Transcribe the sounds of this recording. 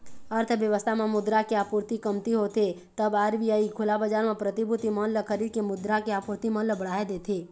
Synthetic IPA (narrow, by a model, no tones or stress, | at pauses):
əɾt̪ʰəʋjəʋəst̪ʰamẽmʊd̪ɾakeaːpuɾt̪ikəmt̪iɦot̪et̪əbaːɾʋijaikʰʊlabəd͡ʒaːɾmẽpɾət̪ibʱut̪imə̃nləkʰəɾiːd̪̚kemʊd̪ɾakeapuɾt̪imə̃nləbəɽ̤aːed̪eːt̪ʰe